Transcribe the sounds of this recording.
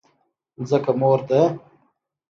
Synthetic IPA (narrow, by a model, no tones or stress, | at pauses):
zəkamoːɾd̪a